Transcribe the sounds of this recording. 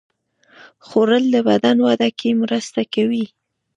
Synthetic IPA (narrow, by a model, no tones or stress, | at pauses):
xoɾəld̪əbad̪anwad̪akʰemɾəst̪akawi